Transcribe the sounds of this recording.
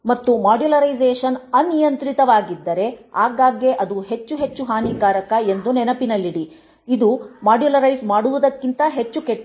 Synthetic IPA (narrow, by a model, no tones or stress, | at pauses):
mɐt̪ːumaːɖjulɐɾɐjzeːʃɐnɐnijɐnt̪ɾit̪ɐʋaːɡid̪ːɐɾe̞aːɡaːɡeʔɐd̪uɦe̞t͡ʃːuɦe̞t͡ʃːuɦaːniːɡaːɾɐkɐe̞nd̪unɛnɐpinɐlːiɽi | id̪umaːɖjulɐɾɐjsmaːɽuʋud̪ɐkːint̪ɐɦe̞t͡ʃːukeʈː